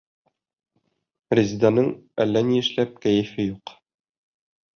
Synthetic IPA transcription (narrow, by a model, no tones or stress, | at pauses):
rʲɪzʲd̪anɤɴælːæniɘ̆ʃlæp̚kæjɘ̆fɘjuq